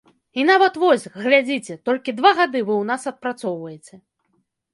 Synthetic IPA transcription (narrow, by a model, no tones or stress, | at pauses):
in̪avɐt̪vɔsʲɣlʲad͡zʲit͡sʲɛt̪ɔlʲkʲid̪vaɣad̪ɨvɨwnasɐt̪̚pɾat̪sɔwvɐjɛt͡sʲɛ